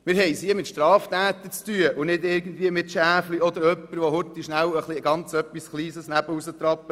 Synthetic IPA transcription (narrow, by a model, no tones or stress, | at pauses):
mɪɾɦɛɪjsiəmɪt̪ʃtɾɑːft̪æːt̪ət͡st̪yəʔʊnɪdɪɾɡən̩d̪viəmɪt̪ʃæːfliɔd̪əɾœpːəɾʋohʊt̪ːiʃnæwəχliɡ̥ɑnt͡sœpːisχliːsəsnæb̥əusət̪ɾɑpːə